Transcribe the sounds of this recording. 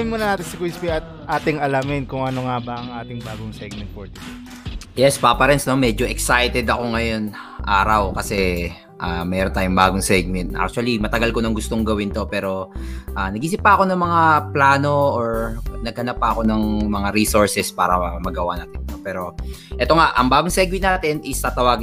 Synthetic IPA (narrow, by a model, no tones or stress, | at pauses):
ɪnmuːnɐnaːt̪ɪnsɪkwispiɐt̪̚ʔaːt̪ɪŋɐlamɪnkʊŋɐnoŋabɐʔɐŋʔaːt̪ɪŋbaːɡʊŋsɛɡ̚mɛnt̪̚poɹt̪ | jɛspapɐɾɛnsno̞mɛːd͡ʒoʔɛksajt̪ɛd̪ɐko̞ŋɐjo̞n | ʔaːɾɐwkɐsɛ | ʔamɛɾont̪aːjʊŋbaːɡʊŋsɛɡ̚mɛnt̪ʔa̰k̚t͡ʃuɐlimɐt̪ɐɡɐlkonɐŋɡʊst̪oŋɡɐwɪnt̪o̞pɛːɾo̞ʔaːnɐɡʔiːs̬ɪt̚pɐɐko̞nɐŋmɐŋaplaːno̞oɹnɐɡ̚hɐnɐpːɐʔɐko̞nɐŋmɐŋaɾiːsoɹsɛspaːɾɐmɐɡɐwana̰ːt̪ɪnnopɛːɾo̞ʔɛt̪o̞ŋaʔɐŋbaːɡoŋsɛɡ̚mɛnnaːt̪ɛnʔɪst̪ɐt̪ɐwaːɡɪ